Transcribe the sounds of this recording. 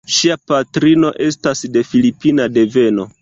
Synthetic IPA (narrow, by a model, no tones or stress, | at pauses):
ʃiapatɾino̞ʔe̞stasde̞filipinade̞ve̞no̞